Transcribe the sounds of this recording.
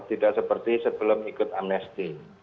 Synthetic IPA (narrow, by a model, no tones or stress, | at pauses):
t̪idaʔsəpərt̪isəbəlʊmikʊt̪amnɛst̪i